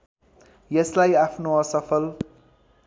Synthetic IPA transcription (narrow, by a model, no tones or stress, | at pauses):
jʌslajapʰnoʌsʌpʰʌl